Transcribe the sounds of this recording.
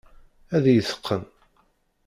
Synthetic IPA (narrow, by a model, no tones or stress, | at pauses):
æðjəθə̥qʰːən